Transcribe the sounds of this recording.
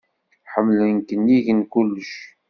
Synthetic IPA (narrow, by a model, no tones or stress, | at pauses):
ħəmːlənkənjiʝənkulːəʃ